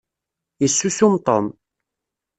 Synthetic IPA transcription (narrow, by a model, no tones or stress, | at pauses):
isːusumt̪ˤɑ̰n